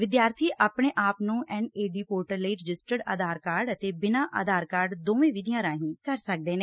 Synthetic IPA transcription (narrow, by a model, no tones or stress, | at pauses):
ʋɪd̪jaːɾt̪ʰiːʔaːpɳeːʔaːpnũːʔɛ̃ːɳeːɖiːpoːɾʈəɾləiːɾɪd͡ʒɪsʈəɖa̰ːd̪aːɾkaːɾɖət̪eːbɪnãːʔa̰ːd̪aːɾkaːɾɖd̪oːʋẽːʋɪd̪ijãːɾãːɦĩːkəɾsək̚d̪eːneː